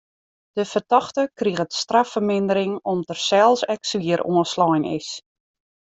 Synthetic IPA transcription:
d̥əfərtɔxtəkriəɣətstrafərmɪndəɾɪŋɔmtərsɛlˠsɛksʋiəɾo̰ənslɔjnɪ̰s

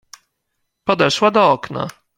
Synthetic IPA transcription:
pɔd̪ɛʂwad̪ɔɔkna̰

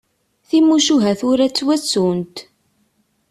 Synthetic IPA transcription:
θimuʃuɦæθʊɾæt͡sːwæt͡sːunt̪

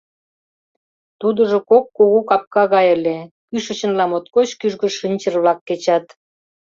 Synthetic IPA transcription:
t̪ud̪əʒokokːoɣokɑp̚kɑɣɑjəlekyʃə̆t͡ɕə̆nlɑmot̪kot͡ɕkyʒɣə̆ʃinʲt͡ɕərβlɑkːet͡ɕɑt̪

